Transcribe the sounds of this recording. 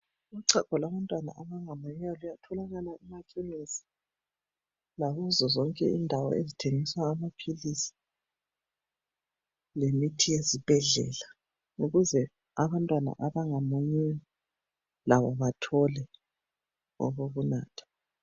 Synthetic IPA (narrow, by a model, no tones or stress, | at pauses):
ɣuǀakɔlaβantʼwana̰ʔaβaŋamoɲɛwalujatʰɔlaɣalaimakʰʼiŋisi̥ | laɣuzɔzɔŋkʼɛ̰indʱawɔ̰ezitʰeŋiswaːmapʰilisi̥ | lemitʰijezib̥ʱɛɮɛ̰la | uɣuzɛ | aβantʼwana̰ʔaβaŋamoɲɛwa | laβɔβatʰɔlɛ | ɔ̰ɣoɣunaːtʰɔ̥